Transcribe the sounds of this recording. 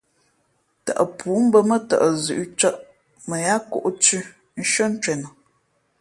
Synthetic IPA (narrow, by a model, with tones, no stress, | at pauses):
tə̰˨ʔə˨pʰuː˨˦m̩˦bə˦mə˦tə̰˨ʔə˨zʉ̰˨ʔt͡ʃə˦ʔ | mə˨ja˦kɔ̰˦˨ʔt͡ʃʉ˦ | n̩˦ʃə˦n̩˦t͡ʃɛ˨nə˨